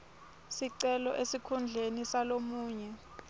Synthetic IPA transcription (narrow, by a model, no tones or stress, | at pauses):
siǀɛlɔʔesikʰund͡ɮʱenisalomuːɲɛ